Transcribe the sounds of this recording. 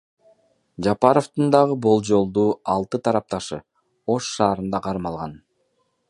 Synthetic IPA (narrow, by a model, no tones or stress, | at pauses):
d͡ʒɑpɑɾoft̪ɯnd̪ɑʁɯbo̞lˠd͡ʒo̞lˠd̪uːɑlˠt̪ɯt̪ʰɑɾɑp̚t̪ɑʃɯ̰ | o̞ʃːɑːɾɯnd̪ɑqʰɑɾmɑlˠʁɑn